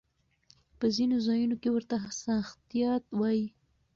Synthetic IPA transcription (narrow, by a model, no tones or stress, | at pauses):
pəzinozɑjunokewəɾt̪asɑxt̪ijɑt̪wɑji